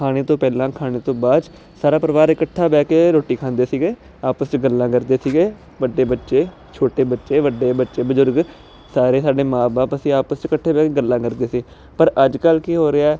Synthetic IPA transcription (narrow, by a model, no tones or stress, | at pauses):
kʰaːɽ̃eːt̪õːpɛːlãːkʰaːɽ̃eːt̪õːbaːd̪ | saːɾaːpəɾəʋaːɾɪkəʈʰːaːbɛːkeːɾoːʈːiːkʰãːnd̪eːsiːɡeː | aːpəst͡ʃɡəlːãːkəɾd̪eːsiːɡeː | ʋəɖːeːbətːʃeː | t͡ʃʰoːʈeːbətːʃeːʋəɖːeːbətːʃeːbəzʊɾɡ | saːɾeːsaːɖeːmãːbaːpəsĩːaːpəst͡ʃkəʈʰːeːbɛːkeːɡəlːãːkəɾd̪eːsĩː | pəɾəd͡ʒkəlkiːɦoːɾeaːɛː